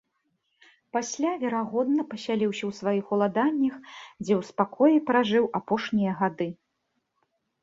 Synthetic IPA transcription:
pasʲlʲavʲɛɾaɣɔd̪nɐpɐsʲalʲiwsʲɐwsvajixulˠad̪anʲːɐxd͡zʲɛwspakʰɔjipɾaʐɨwʔapɔʂnʲijɐɣad̪ɨ

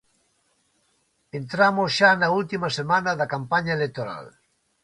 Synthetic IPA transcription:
ent̪ɾamosʃanault̪imɐsemanɐðɐkampaɲɐelek̚t̪oɾa̰l

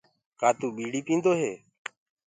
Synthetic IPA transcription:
kaːt̪uːɓiːɽiːpĩːnd̪oːɦeː

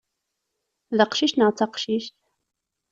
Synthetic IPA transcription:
ðəqʃiʃt̪nəʁt͡sːɑqʃiʃt̪

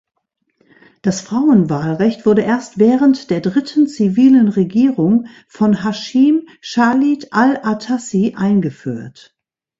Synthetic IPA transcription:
d̥asfʁ̥aʊənvaːlʁɛçtv̥ʊɐdəʔeːɐstv̥ɛːʁəntd̥eːɐdʁɪtʰn̩t͡siviːlənʁeɡiːʁʊŋ | fɔnɦaʃim | ʃaːlitʔalʔatʰasiʔaɪnɡəfy̰ːɐt

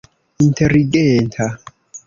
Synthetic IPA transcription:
intʰeɾiɡɛntʰa

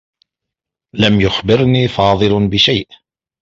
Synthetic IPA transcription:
lamjʊxbɪɾniːfɑːðˤɨlbɪʃajʔ

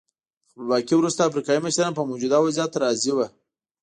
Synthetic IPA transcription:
bɑkiwɾust̪aafɾikɑjiməʃɾɑnpəmawd͡ʒud̪ɑwazjɑt̪aɾɑziwa

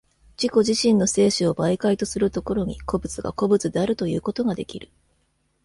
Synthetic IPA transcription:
d͡ʑ̥iko̞ʑiɕĩnːo̞se̞ːɕɨo̞baikait̪o̞sɨɾɯ̟t̪oko̞ɾo̞ɲ̟iko̞bɯ̟t͡sɨɡa̰ko̞bɯ̟t͡sɨd̪e̞aɾɯ̟t̪o̞jɯ̟ːko̞t̪o̞ɡad̪e̞̰kʲiɾɯ̟

